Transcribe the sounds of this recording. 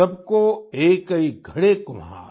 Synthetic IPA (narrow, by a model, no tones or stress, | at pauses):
ɐbkoeːkɐiɡʱɐɽekomã̰ː